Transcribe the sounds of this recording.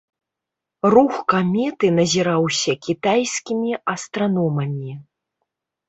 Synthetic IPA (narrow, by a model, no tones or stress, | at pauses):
ruxkamʲɛt̪ɨnɐzʲiɾawsʲɐkʲit̪ajsʲkʲimʲiɐst̪ɾanɔmɐmʲi